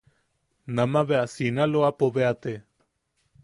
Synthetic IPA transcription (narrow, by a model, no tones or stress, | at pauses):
nãmãβeasinaloapoβeat̪e